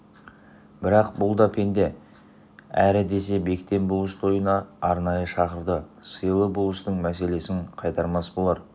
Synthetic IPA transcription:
bɪɾɑqbʊlˠd̪ɑpʰe̞nd̪e̞ | æɾɪd̪e̞se̞be̞kt̪e̞mbʊlˠəʃt̪ʰo̞jənɑːɾnɑjəʃɑqəɾd̪əsəjlˠəbʊlˠəʃt̪əɴmæse̞le̞sɪŋqʰɑjt̪ɑɾmɑsbolˠɑɾ

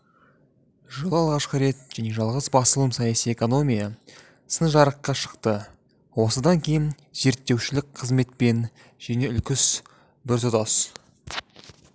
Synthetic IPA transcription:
ʒəlˠəɑlˠʁɑʃqəɾe̞t̪ʒæne̞ʒɑlˠʁəzbɑsəlˠəmsɑjɑsije̞ko̞no̞mʲijɑ | sənʒɑɾəqːɑʃə̥qt̪ə | wo̞səd̪ɑŋkʲʰe̞jɪn | ze̞ɾt̪ːe̞wʃɪlɪk̚qʰəzme̞t̪̚pe̞n | ʒ̥æne̞ʏlkʲɪs | bɪɾt̪ʊt̪ɑs

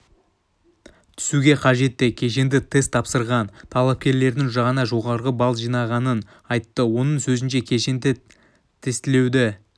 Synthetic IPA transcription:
t̪ʰʏ̥suɡʲe̞qʰɑʒe̞t̪ːɪkʲʰe̞ʃ̬e̞nd̪ɪt̪ʰest̪ʰːɑpsəɾʁɑnt̪ʰɑlˠɑp̚kʲe̞ɾle̞ɾd̪ɪŋʒɑʁɑnɑʒo̞ʁɑɾʁəbɑlˠʒijnɑʁɑnən | ɑjt̪ːəwo̞nəɴsɵzɪnʃe̞kʲʰeʃend̪ɪ | t̪ʰest̪ɪle̞wd̪ɪ

